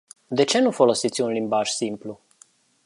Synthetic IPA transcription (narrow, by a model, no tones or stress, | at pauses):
d̪e̞t͡ʃe̞nufo̞lo̞sit̪sʲunlimbaʒ̥simplu